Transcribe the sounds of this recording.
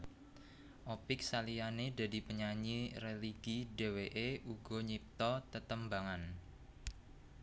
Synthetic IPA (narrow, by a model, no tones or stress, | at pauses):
ʔopɪk̚salijaneda̤dipəɲaɲireliɡide̤weʔeʔuɡɔ̤ɲip̚t̪ɔt̪ət̪əmbaŋan